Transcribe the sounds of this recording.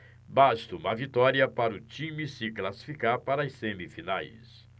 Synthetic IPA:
bast̪ʊũmɐvit̪ɔɾiɐpaɾʊt͡ʃĩmisɪklasi̥fikaɾpaɾɐɐsẽmifinajs

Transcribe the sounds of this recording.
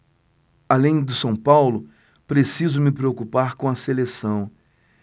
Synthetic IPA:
alẽj̃d̪ʊsɐ̃w̃pawlʊ | pɾesizʊmɪpɾeokupaɾkõw̃ɐselesɐ̃w̃

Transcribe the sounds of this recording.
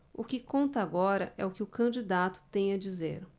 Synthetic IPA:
ʊkɪkõnt̪ɐaɡɔɾɐʔɛʊkɪʊkɐ̃d͡ʒid̪at̪ʊ̥t̪ẽj̃ɐd͡ʒizḛɾ

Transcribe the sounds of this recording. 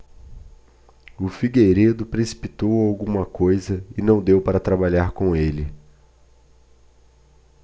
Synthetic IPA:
ʊfiɡejɾed̪ʊpɾesi̥pit̪owawɡũmɐkojzɐɪnɐ̃w̃d̪ewpaɾɐt̪ɾabaʎaɾkõelɪ

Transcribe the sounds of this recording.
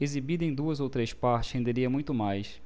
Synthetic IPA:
ezibid̪ɐẽj̃d̪uɐzowt̪ɾejspaɾt͡ʃɪ̥shẽnd̪eɾiɐmũj̃t̪ʊmajs

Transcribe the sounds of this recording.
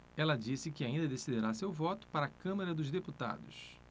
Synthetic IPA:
ɛlɐd͡ʒisɪkɪaĩnd̪ɐd̪esid̪eɾasewvɔt̪ʊ̥paɾɐkɐ̃mɐɾɐd̪ʊzd̪eput̪a̰d̪ʊ̰s

